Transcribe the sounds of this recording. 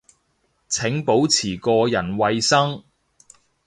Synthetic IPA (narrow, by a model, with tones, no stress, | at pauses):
t͡sʰɪ˨˥ŋpo˨˥wt͡sʰiː˨˩kɔː˧jɐ˨˩nwɐ˧jsɐ˥ŋ